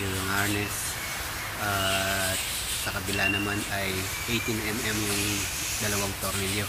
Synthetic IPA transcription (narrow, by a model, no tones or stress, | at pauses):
lɐŋaɹnɛs | ʔaːt̪̚ | sɐkɐbɪlanɐmanɐj | ʔejt̪ɪnɛmɛmnoŋ | d̪ɐlɐwaŋt̪oɾnɪljo